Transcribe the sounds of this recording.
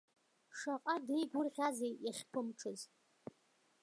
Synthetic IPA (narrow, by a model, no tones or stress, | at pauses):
ʂaqʼadijɡʷʊrʁʲazejjaχʲpʰɨmʈ͡ʂʰɨz